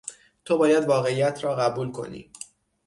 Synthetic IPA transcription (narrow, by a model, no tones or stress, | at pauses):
t̪ʰobɒːjæd̪vɒːɣe̞ijæt̪ʰɾɒːɣæbuːlkʰo̞̰nḭː